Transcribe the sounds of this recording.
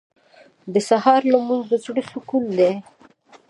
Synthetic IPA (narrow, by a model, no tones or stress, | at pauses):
d̪əsahɑɾlamunzot͡sɽiʃukund̪e